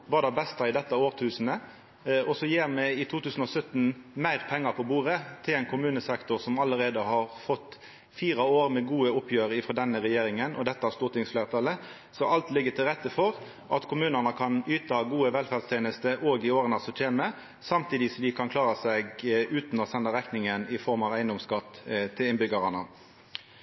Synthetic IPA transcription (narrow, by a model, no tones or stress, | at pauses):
ʋɑːd̪æbɛst̪ɑɪd̪ɛt̪ːɑoːʁt̪ʰʉːsn̩ə | ɔsɔjeːʁmɛɪt̪ʰuːt̪ʉːsən̩ɔsœt̪ːn̩mæɪʁpʰɛŋːɑpʰɔbuːʁət̪ʰɪlɛɪnkʰʊmʉːnəsɛkt̪ʊʁsɔmɑlːəɾeːd̪əhɑʁfɔt̪ː | fiːɾɑoːɾmɛɡuːəʊpjøːɾɪfɾɔːd̪ɛnːəʁɛjeːɾɪŋənʔɔ̰d̪ɛt̪ːəæst̪uːt̪ɪŋsflæːʁt̪ʰɑlə | sɔʔɑlt̪lɪɡət̪ʰɪlʁɛt̪ːəfɔʁ | ʔɑt̪kʰʊmʉːnənəkʰɑnyːt̪ɑɡuːəʋɛlfæʁdst̪ʰeːnəst̪əʔoːɡɪoːɾənɑsɔt̪ʰeːmə | sɑmt̪ʰiːd̪ɪsɔmd̪ɪkʰɑnkʰlɑːɾəsɛɡʉːt̪nɔsɛnːɑɾɛknɪŋənɪfɔɾmɑʋæɪnd̪ɔmskɑt̪ːt̪ʰːɪlɪnbʏɡɑʁɑnə̰